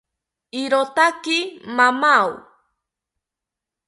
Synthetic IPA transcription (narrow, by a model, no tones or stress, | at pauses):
iɾot̪akɪmamaw